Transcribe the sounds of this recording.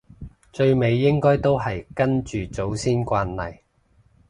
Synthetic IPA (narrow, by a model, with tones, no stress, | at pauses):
t͡ʃɵ˧ɥme˨˧jːɪ˥ŋkɔː˥jt̪o˥wɦɐ˨jkɐ˥nt͡ʃyː˨t͡so˨˥wsiː˥nkʷaː˧nlɐ̰˨j